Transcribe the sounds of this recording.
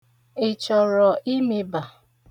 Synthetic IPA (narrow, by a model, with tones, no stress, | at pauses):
ɪ˨t͡ʃɔ˨ɾɔ˨ʔi˦me˦ba˨